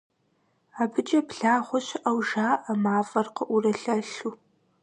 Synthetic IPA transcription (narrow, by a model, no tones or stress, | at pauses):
aːbɨd͡ʒʼɐpɮaːʁʷʊɕɪʔɐwʒaːʔamaːvɐrqəʔurɐɬɐɬu